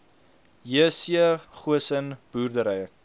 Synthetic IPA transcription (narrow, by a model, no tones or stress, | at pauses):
jiəsiəχuəsənb̥uːrdəɾəjə